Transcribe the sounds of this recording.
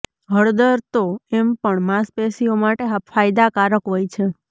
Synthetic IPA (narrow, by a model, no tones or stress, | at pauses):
ɦəɽd̪əɾt̪oempəɳmaspesiomaʈeɦafajd̪akaɾəkɦojt͡ʃʰe